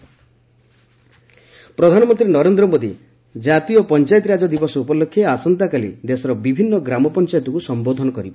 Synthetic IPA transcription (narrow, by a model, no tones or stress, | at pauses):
pɾɔd̪ʱanɔmɔnt̪ɾinɔɾend̪ɾɔmod̪i | d͡ʒat̪ijɔpɔnt͡ʃajt̪̬ɔɾad͡ʒɔd̪ibɔsɔupɔlːokʰːjeasɔnt̪akalḭd̪esɔɾɔbibʱinːɔɡɾamɔpɔnt͡ʃajt̪ɔkusɔmbod̪ʱɔnɔkɔɾibɔ